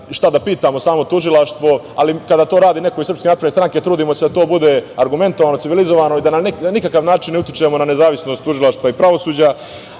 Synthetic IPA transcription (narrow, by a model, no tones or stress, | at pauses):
ʃt̪ad̪apiːt̪aːmosaːmo̞t̪uʒilˠaʃt̪ʋo̞ | alikad̪at̪o̞ːɾaːd̪iːne̞koisɾrpskeaːt̪pɾd̪est̪ɾaŋke̞t̪ɾuːd̪iːmose̞d̪at̪oːbud̪eaɾɡume̞nt̪oʋaːnosiʋilizoʋaːno̞id̪anank̪anikakaʋnaːt͡ʃinːut̪ʲit͡ʃemo̞nane̞zaːʋisno̞st̪ːuʒilˠaʃt̪ʋaipɾaʋo̞suːd͡ʑa